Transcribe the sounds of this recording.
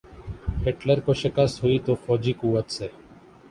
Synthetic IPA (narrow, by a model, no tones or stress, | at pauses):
heːʈləɾkoːʃɪkəsɦʊiːt̪oːfɔːd͡ʒiːkuːʋət̪seː